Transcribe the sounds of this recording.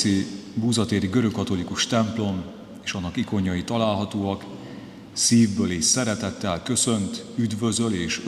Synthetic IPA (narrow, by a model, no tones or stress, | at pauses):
ibuːzɒt̪eːɾiɡøɾøkːɒt̪o̞likuʃt̪ɛmplo̞m | eːʃɒnːɒkiko̞ɲːɒjit̪ɒlaːlɦɒt̪oːɒk | siːvbøːleːʃsɛɾɛt̪ɛt̪ːɛlkø̞sø̞nt̪yd̪vø̞zø̞leːʃ